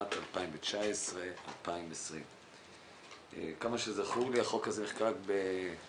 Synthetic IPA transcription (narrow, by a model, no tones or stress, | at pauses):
at̪alpaimvet͡ʃaesʁe̞a̰lpaimesʁim | ḛkamaʃezaχuliaχokazeniχkaakbe